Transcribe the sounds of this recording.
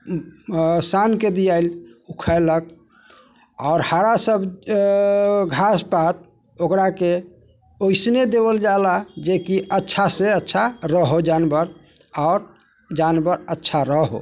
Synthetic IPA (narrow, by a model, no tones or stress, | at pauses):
sanked̪ijaɪlukʰalək̚ | aʊɾhaɾasəb | ɡʱaspat̪̚ | okɾake | oɪsned̪ebəld͡ʒalad͡ʒekiətːʃʰaseətːʃʰaɾəɦod͡ʒanbəɾaʊɾ | d͡ʒanbəɾətːʃʰaɾəɦo̰